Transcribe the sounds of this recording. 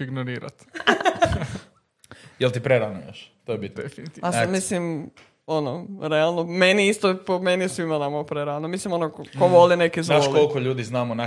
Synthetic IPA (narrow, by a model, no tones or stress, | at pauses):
iɡnoɾiːɾa̰t̪ | jelt̪ipɾeɾanoo̰ʃt̪ojebit̪̚nefinit̪ːamislim | onoɾealˠnomeniist̪opomenisʋimanamopɾeɾanomislimonokoʋolinekiznaoʃlkolˠkoʎuːd̪iznamona